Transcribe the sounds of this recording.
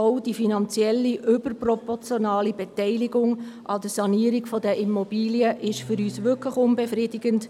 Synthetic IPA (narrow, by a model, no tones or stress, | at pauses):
oʊd̥ifinɑnt͡sjɛlːiʔʏbəɾprɔpɔɾt͡sjonɑːlibɛtɛɪliɡʊŋʔɑd̥̪əsɑniəɾɪɡfɔdəʔimob̥iːliəʔɪʃfʏɾyːsʋʏkləxʊnbefridɪɡənt